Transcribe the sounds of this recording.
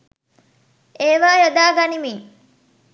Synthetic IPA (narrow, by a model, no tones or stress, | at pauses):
eːʋaːjod̪aːɡanimiŋ